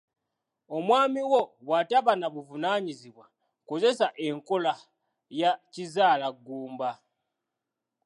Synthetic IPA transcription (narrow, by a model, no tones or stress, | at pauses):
o̞mwaːmiwo̞wataβanaβuvunaːɲiziβwa | ko̞ze̞saʔe̞ŋko̞la | jacizaːlaɡuːmba